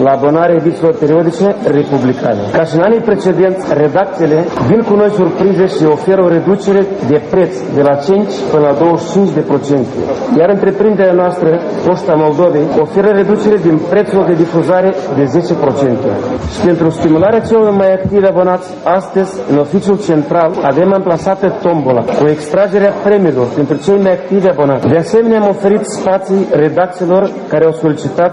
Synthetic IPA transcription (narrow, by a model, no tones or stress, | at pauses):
laːbo̞naɾeavit̪silo̞rpeɾio̞d̪it͡ʃere̞publikʰa̰ne̞̰kaʃiɨnanijpɾe̞t͡ʃe̞d̪e̞nt̪sʲre̞d̪ak̚t̪sile̞vinkuno̞jsurpɾize̞ʃio̞fe̞ɾəo̞ɾe̞d̪ut͡ʃe̞ɾe̞d̪e̞pɾe̞t̪sd̪e̞lat͡ʃint͡ʃʲpɨnəlad̪o̞wəʃt͡ʃint͡ʃʲd̪e̞pɾo̞t͡ʃe̞nt̪ḛjaɾɨnt̪ɾe̞pɾind̪e̞ɾʲeanoast̪ɾə | ko̞ʃt̪amo̞ld̪o̞ve̞jo̞fe̞ɾəɾe̞d̪ut͡ʃe̞ɾe̞d̪inpɾe̞t̪suld̪e̞d̪ifuzaɾe̞d̪e̞ze̞t͡ʃe̞pɾo̞t͡ʃe̞nt̪e̞̰ʃi̥pe̞nt̪ɾust̪imulaɾeat͡ʃe̞lo̞rmajakt̪ivabo̞nat̪sʲast̪əzʲɨno̞fit͡ʃijult͡ʃe̞nt̪ɾalave̞mamplasat̪ət̪o̞mbola̰kue̞kst̪ɾad͡ʒe̞ɾeafɾe̞milo̞rpe̞nt̪ɾut͡ʃe̞jmajak̚t̪ivabo̞nat̪sd̪e̞ase̞me̞neamo̞fe̞ɾit̪spat̪sijre̞d̪ak̚t̪se̞lo̞r | kaɾeawso̞lit͡ʃit̪at̪